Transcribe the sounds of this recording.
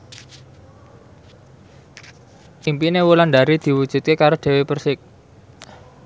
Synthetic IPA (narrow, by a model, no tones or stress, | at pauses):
ʔimpinewulanɖaɾid̪̥i̤wud̥ʒ̥ṳt̪̚kekaɾod̪̥e̤wepərsɪk̚